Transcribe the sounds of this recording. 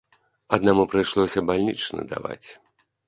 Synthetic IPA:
ɐd̪namupɾɨjʂlˠɔsʲɐbalʲnʲit͡ʂnɐ̰d̪a̰va̰t͡sʲ

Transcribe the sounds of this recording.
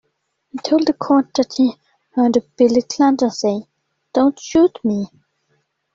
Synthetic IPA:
hitʰoʊlˠd̪ðəkʰɔɹt̚d̪əthi | hɜdb̥ɪlikʰlãndəseɪ | d̥õʊ̃ntʃuˑtmi

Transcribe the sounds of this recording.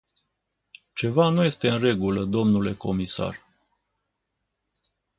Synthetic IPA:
t͡ʃe̞vanuje̞st̪e̞ɨnre̞ɡuləd̪o̞mnule̞ko̞misa̰r

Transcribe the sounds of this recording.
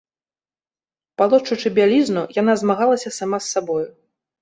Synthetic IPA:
palˠɔt͡ʂːut͡ʂɨbʲalʲiznujanazmaɣalˠɐsʲɐsamasːabɔju

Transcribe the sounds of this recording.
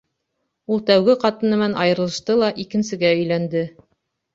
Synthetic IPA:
ulˠt̪æwɡɘqɑt̪ɤ̆nɤ̆mænɑjɤ̆ɾɤ̆lˠɤ̆ʃt̪ɤlˠɑʔikɘ̆nsɘ̆ɡæɵ̆jlænd̪ɘ

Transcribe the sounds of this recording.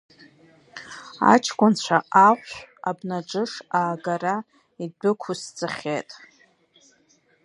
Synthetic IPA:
a̰t͡ʃʰkʷʼʊnt͡ɕʷʰaaʁʷabnaʈ͡ʂʼɨʂaːɡara | idɨkʷʰʊsd͡zʰʼɨχʲetʼ

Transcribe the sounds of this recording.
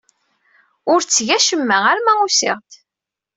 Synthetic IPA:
ʊɾt͡sːʝæʃəmːææɾmæusɪ̰ʁt̪

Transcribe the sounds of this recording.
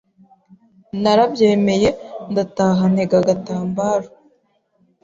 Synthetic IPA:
naɾabje̞ːme̞je̞ndataːɦan̥e̞ɡaɡataːmbaːɾo

